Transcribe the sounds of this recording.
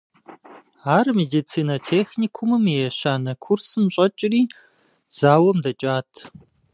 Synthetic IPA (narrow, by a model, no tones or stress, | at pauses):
aːrmeːdit͡sʰiːnɐtʰeːxniːkʷʰʊmɨmejɛɕaːnɐkʷʰʊrsɨmɕʼɐt͡ʃʼɪriː | z̥aːwɐmdɐt͡ʃʼaːtʰ